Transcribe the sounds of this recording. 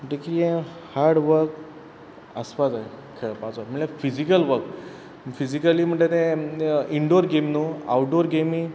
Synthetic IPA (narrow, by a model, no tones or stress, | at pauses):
m̤əʈekijẽ | haɾɽʋəɾk | əspad͡zaɦe | kʰeɭpat͡sʋəm̤əɭẽfid͡ʑikəlʋəɾk | fid͡ʑikəliːm̤əɳʈet̪ɛ̃iɳɖoɾɡemnua̰wʈɖoɾɡemi